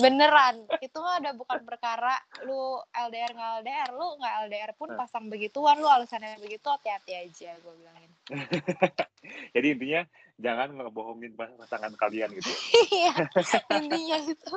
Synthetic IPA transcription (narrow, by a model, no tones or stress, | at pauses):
bənəɾanit̪umaudahbukanpərkaɾaluɛldeɛrŋɡaɛldeɛrluŋɡaɛldeɛrpʊnpasaŋbəɡit̪uwanlualusanaabəɡit̪uat̪iat̪iad͡ʒaɡuabilaŋɪn | d͡ʒadiːnt̪iɲa | d͡ʒaŋanŋəboɦoŋɪnpapasaŋankalianɡit̪uijaint̪iɲaɡit̪u